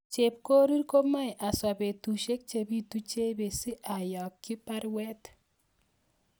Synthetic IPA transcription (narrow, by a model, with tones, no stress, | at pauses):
t͡ʃe˨p̚ko˦ɾi˦ɾko˦ma˦jʔa˨swa˨be˨tu˨ʃe˦k̚t͡ʃe˨bi˦tu˦t͡ʃe˦be˨si˦ʔa˨jɔ˨kːi˦pa˦ɾwɛ˦t